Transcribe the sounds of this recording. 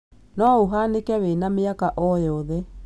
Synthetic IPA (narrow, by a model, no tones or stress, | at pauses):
nɔoɦanekɛwenameakaʔɔjɔðɛ